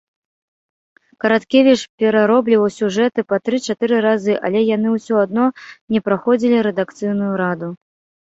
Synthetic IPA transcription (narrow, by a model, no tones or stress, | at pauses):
kɐɾat̪kʲɛvʲit͡ʂpʲɛɾaɾɔblʲivɐwsʲuʐɛt̪ɨpɐt̪ɾɨt͡ʂat̪ɨɾɨɾazɨʔɐ̰lʲɛjan̪ɨwsʲɔad̪̚nɔnʲɛpɾaxɔd͡zʲilʲiɾɛd̪akt̪sɨjnujuɾad̪u